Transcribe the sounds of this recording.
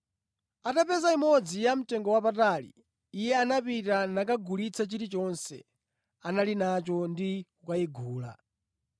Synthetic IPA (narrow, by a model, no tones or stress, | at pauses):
atapɛzaimɔd͡zijam̩tɛŋɡɔwapatalḭː | jɛanapitanakaɡulit͡sʰat͡ʃiɾit͡ʃɔnsɛ̰ | analinat͡ʃɔndiukaiɡʱuːla̰